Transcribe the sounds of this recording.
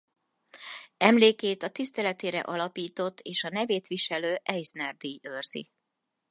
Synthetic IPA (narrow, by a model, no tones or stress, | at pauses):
ɛmleːkeːt̪ɒt̪ist̪ɛlɛt̪eːɾɛ̰ʔɒlɒpiːt̪o̞t̪ːeːʃɒnɛveːt̪ʋiʃɛløːʔɛjsnɛrd̪iørz̥ḭ